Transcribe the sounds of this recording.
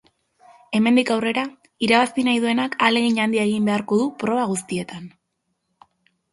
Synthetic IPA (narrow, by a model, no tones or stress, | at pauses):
e̞me̞nd̪ikawre̞ɾa | iɾaβast̪inajðue̞nakale̞ɣiɲand̪iaeɣ̞imbe̞aɾko̞ðupɾo̞βaɣ̞ust̪ie̞t̪an